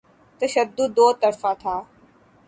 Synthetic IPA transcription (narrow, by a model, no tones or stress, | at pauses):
t̪əʃəd̪ːʊd̪ːoːt̪əɾfat̪ʰaː